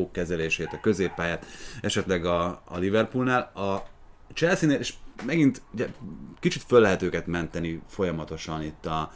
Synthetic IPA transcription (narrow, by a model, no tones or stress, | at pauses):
oːkːɛzɛleːʃeːt̪ɒkø̞zeːpːaːjaːt̪ɛʃɛt̪lɛɡɒ̰ːlivɛrpulnaːlɒ | t͡ʃɛlsineːleːʃmɛɡint̪uɟɛkit͡ʃit̪følːɛɦɛt̪øːkɛt̪mɛnt̪ɛnifo̞jɒmɒt̪o̞ʃɒnit̪ːɒ